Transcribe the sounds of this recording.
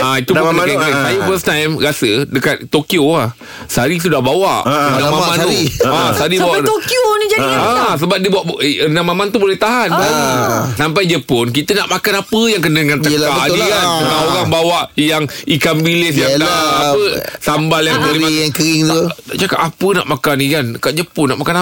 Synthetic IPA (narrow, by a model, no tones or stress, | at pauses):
ait̪ubakakəisajufəstajmɾasədəkat̪̚ːokioah | saɾis̬udahbawaʔənamammãnt̪uiasaɾibawat̪okjonid͡ʒaias̬əbap̚diəbuaʔənamamant̪ubolɛht̪aɦanasamp̬ajdəpʊnk̬it̪ənaʔmakanapəjaŋk̬ənədəŋanəkaʔikanuaoɾaŋbawaʔjaŋikambilis̬jaaaaəsambaljaŋəliŋkəɾiŋt̪uaʔd͡ʒaka̰ʔapəna̰ʔmakanikankaʔd͡ʒəpʊnːaʔmakana